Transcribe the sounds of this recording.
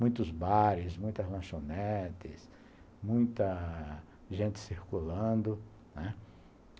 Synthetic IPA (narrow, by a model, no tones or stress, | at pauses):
mũj̃t̪ʊzbaɾɪsmũj̃t̪ɐzlɐ̃ʃonɛt̪ɪs | mũj̃t̪ɐ | ʒẽnt̪ɪ̥siɾkulɐ̃d̪ʊ | nɛ